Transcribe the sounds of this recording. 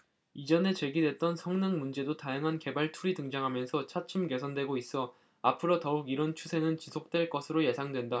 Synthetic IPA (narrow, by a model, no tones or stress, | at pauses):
id͡ʑʌne̞t͡ɕe̞ɡidwe̞t̚t͈ʌnsʰʌŋnɯŋmund͡ʑe̞dotajaŋɦanke̞baɭtʰuɾitɯŋd͡ʑaŋɦamjʌnsʰʌt͡ɕʰat͡ɕʰɯmke̞sʰʌndwe̞ɡois͈ʌ | apʰɯɾʌtʌuɡiɾʌnt͡ɕʰusʰe̞nɯnt͡ɕisʰok̚t͈we̞ɭk͈ʌsʰɯɾoje̞sʰaŋdwe̞nda